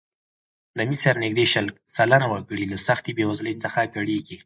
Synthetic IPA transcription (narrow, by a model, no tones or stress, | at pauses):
namisaɾnɪɡ̚d̪eʃalk̚salanawəkəɽilasaxt̪ibewazlet͡səxaɡaɽeɡi